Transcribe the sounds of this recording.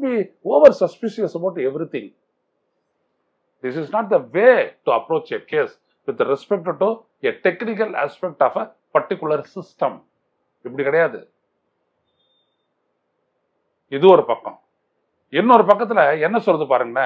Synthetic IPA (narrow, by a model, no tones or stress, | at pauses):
bioːʋɐɾsɐspɪʃiɐsɐpoːɾʈːɛʋɾit̪ɪ̃ŋ | d̪ɪsɪsnaːʈ̚d̪ɐʋeːʈuɐpɾoːt͡ʃɐkeːs | ʋɪd̪ɐɾɛspɛk̚ʈ̚ʈːu | eʈɛknɪk̬ɐla̰ːspɛk̚ʈaːfɐ | pɐɾʈɪkːʊlɐɾsɪsʈɐ̃m | ɪpːɐɽikːɐɽɐjaːðɯ̰ | ɪðɯɔɾɯpɐkːɔ̰̃ | ɪnːɔɾɯpɐkːɐt̪̬ːɪlɐɛnːɐsɔlːɐðɯpaːɾɯŋɡɐnːa